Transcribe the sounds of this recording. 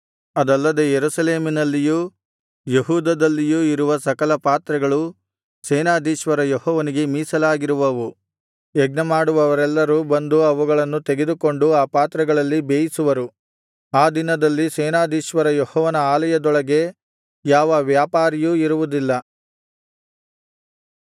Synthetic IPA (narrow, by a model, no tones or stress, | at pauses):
ɐd̪ɐlːɐd̪e̞jeɾusɐleːminɐlːijuː | jeɦuːd̪ɐd̪ɐlːijuːiɾuʋɐsɐkɐlɐpaːt̪ɾɐɡɐɭu | seːnaːd̪iːʃʋɐɾɐjɔhɔːʋɐniɡe̞miːsɐlaːɡiɾuʋɐʋu | ɛɡ̚nɐmaːɽuʋɐʋɐɾɛlːɐɾubɐnd̪uɐʋuɡɐɭɐnːut̪e̞ɡe̞d̪uko̞ɳɖuaːpaːt̪ɾɐɡɐɭɐlːibeːjisuʋɐɾu | aːd̪inɐd̪ɐlːisɛːnaːd̪iːʃʋɐɾɐjɔhɔːʋɐnɐaːlɐjɐd̪ɔɭɐɡe̞ | jaːʋɐʋjaːpaːɾijuiɾuʋud̪ilːɐ